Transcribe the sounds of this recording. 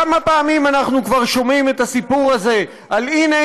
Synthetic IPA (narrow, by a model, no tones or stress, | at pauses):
amapeːmimanaχnukvaʁʃo̞mime̞t̪asipuʁaze̞ | aline